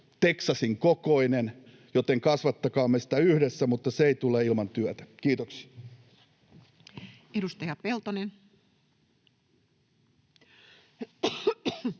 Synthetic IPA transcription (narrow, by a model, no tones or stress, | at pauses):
t̪eksɑsiŋkokoinen | jot̪eŋkɑsʋɑt̪ːɑkɑːmːesi̥t̪æyhdesːæmut̪ːɑseeit̪uleːilmɑnt̪yæt̪æ̥kiːt̪oksi̥ɑ | edust̪ejɑpelt̪onen